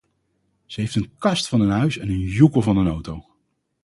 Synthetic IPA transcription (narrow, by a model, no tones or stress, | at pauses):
z̥əɦejftənkɑstfɑnənɦœɥsɛnənjukəlˠvɑnənowtow